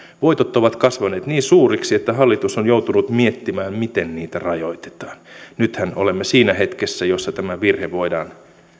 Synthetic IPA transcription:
ʋoit̪ot̪ːoʋɑt̪kɑsʋɑneːt̪niːnsuːriksiet̪ːæɦɑlːit̪usonjowt̪unut̪miet̪ːimæːmmit̪enniːt̪ærɑjoit̪e̥t̪ɑ̥ːnnyt̪hæno̰lemːesiːnæhet̪kesːæjosːɑt̪æmæʋirheʋoidɑ̰ːn

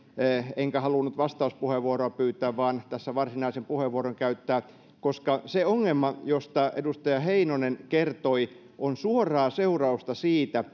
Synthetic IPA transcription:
eŋkæhɑlunːut̪ʋɑst̪ɑuspuheʋʋuoroɑpyːt̪ːˑæːʋʋɑːnt̪æsːæʋɑrsinɑisempuheʋːuoɾoŋkæyt̪ːæː | koskɑseoŋːemːɑjost̪ɑḛdust̪ɑjɑheinonenkert̪oi | ʔonsuorɑːseurɑust̪ɑsiːt̪æ

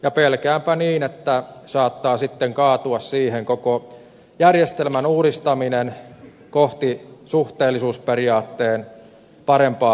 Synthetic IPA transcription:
jɑpelkæːmpæniːnet̪ːæsɑːt̪ːɑːsit̪ːeŋkɑːt̪uɑssiːheŋkoko | jærjest̪elmænuːɾist̪ɑminen | koht̪isuht̪eːlːisuːsperiɑːt̪ːeːn | pɑɾempɑː

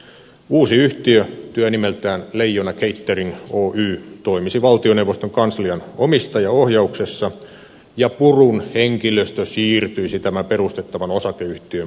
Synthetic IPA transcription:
uːsiyht̪iøt̪yænimelt̪æːnleijːonɑkeit̪ːerinoːʔyːt̪oimisiʋɑlt̪ionewʋːost̪oŋkɑnsliɑnomist̪ɑjɑohjɑuksesːɑ | jɑpurunheŋkiløst̪øsiːrt̪yisit̪æmæperust̪et̪ːɑʋɑnosɑkeyht̪iø

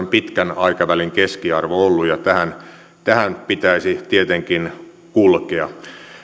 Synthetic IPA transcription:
mpit̪kænɑikɑʋæliŋkeskiɑrʋoolːujɑt̪æhæn | t̪æhænpit̪æisit̪iet̪eŋkin | kulkeɑ

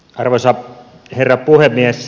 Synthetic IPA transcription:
ɑrʋosɑ | herːɑpuhemːies

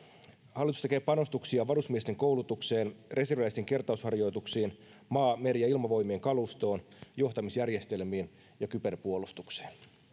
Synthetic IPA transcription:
hɑlːˑit̪u̥st̪ekeːpɑno̞st̪uksiɑʋɑɾusmiest̪eŋko̞wlut̪ukse̞ːnrʔe̞serʋæist̪eŋke̞rt̪ɑushɑrjo̞jt̪uksiːn | mɑːmeɾijɑilmɑʋo̞jmeːŋkɑlust̪o̞ːnjo̞ht̪ɑmisjærje̞st̪e̞lmiːn | jɑkype̞rpuolust̪ukse̥ːn

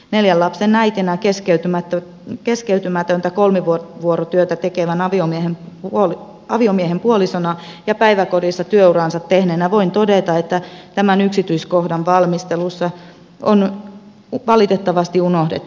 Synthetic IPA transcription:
neljællɑpsenæit̪enækeskeyt̪ymæt̪ːø | keskeyt̪ymæt̪ønt̪ækolmiʋuʋuoɾot̪yøt̪æt̪ekeʋænɑʋiomiehemoli | ɑʋiomiehempuolisonɑ | jɑpæiʋækorjisːɑt̪yøuɾɑˑnsɑt̪ːehnenːæʋoint̪odet̪ɑet̪ːæt̪æmænyksit̪yiskohdɑnʋɑlmist̪elusːɑ | on | ʋɑlit̪et̪ːɑʋɑst̪iunohdḛt̪ː

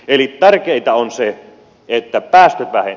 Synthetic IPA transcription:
elitt̪ærkeit̪ɑonse | et̪ːæpæːst̪øt̪ʋæhḛ

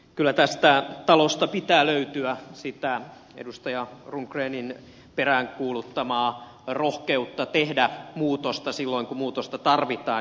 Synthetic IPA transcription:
kylːæt̪æst̪æt̪ɑlost̪ɑpit̪æːløyt̪yæsit̪æ | ḛdust̪ɑjɑruŋkreːnin | peræːŋkuːlut̪ːɑmɑː | rohkeut̪ːɑt̪ehdæmuːt̪ost̪ɑsilːoiŋkumuːt̪ost̪ɑt̪ɑrʋit̪ɑː

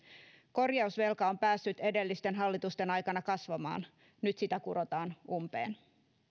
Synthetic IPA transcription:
ko̞rjɑusʋe̞lkɑompæːsːyt̪e̞de̞lːist̪e̞nɦɑlːit̪ust̪e̞nɑjkɑnɑkɑsʋɑmɑ̰ːn | nyt̪sit̪ækuɾo̞t̪ɑːnumpḛːn

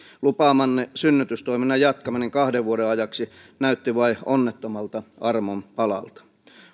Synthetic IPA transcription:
lupɑːmɑnːesynːyt̪yst̪oiminːɑjjɑt̪kɑmɑniŋkɑhdeʋʋuodeɑjɑksi | næyt̪ːiʋɑionːet̪ːomɑlt̪ɑɑrmompɑlɑ̰lt̪ɑ̥

